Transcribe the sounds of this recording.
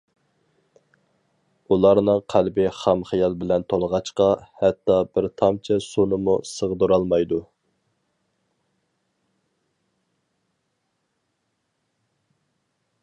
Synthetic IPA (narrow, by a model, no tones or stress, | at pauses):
ulˠɑɾnɨŋqʰælbɪχɑmχijɑlˠbɪlɛnt̪ʰolˠəʁɑt͡ʃqɑhɛt̪ːɑbɪɾt̪ʰɑmt͡ʃʰɛsonɨmusəʁd̪uɾɑlˠmɑjd̪u